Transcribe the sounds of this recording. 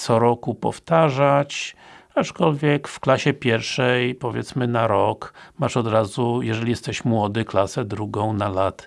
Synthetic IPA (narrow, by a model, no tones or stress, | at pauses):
t̪sɔɾɔkupɔ̰ft̪aʐat͡ɕat͡ʂkɔlvʲjɛkfklaɕɛpʲjɛɾfʂɛjpɔvʲjɛ̰t̪smɘnaɾɔkmaʂɔd̪ɾazujɛʐɛlʲijɛst̪ɛɕmwɔd̪ɘklasɛd̪ɾuɡɔ̃w̃nalat̪